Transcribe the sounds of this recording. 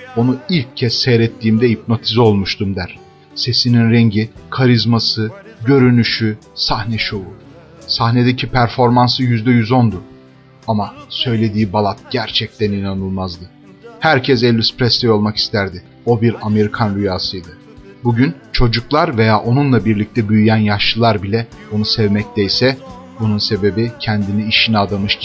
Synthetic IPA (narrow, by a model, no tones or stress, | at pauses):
o̞nuilʲcʰːɛsːɛjɾɛt̪ʰːiːmd̪ɛip̚no̞t̪ʰizo̞lˠmuʃt̪ʰumd̪æɾ̥ | se̞sininɾɛɲɟikʰaɾizmasɯɟø̞ɾynyʃysahnɛʃo̞u | sahne̞d̪ɛcʰipʰæɾfo̞ɾmansɯjyzd̪ɛjyzo̞nd̪u | amasø̞jlʲe̞d̪iːbalˠat̪̚ɟ̥æɾt͡ʃʰɛc̚t̪ʰæninanɯlˠmazd̪ɯ | hæɾcʰɛsɛlʲːyspɾɛst̪ʰɛjo̞lˠmaki̥st̪ʰæɾd̪ɪ | o̞biɾame̞ɾikʰanɾyjaːsɯjd̪ɯ | buɟynt͡ʃʰo̞d͡ʒuklˠaɾve̞jaːʔo̞nunlˠabiɾlʲic̚t̪ʰɛbyjyjænjaʃlɯlˠaɾbilʲɛonusɛvmɛc̚t̪ɛjsɛ | bununse̞be̞bicʰɛnd̪iniːʃiniad̪amɯʃ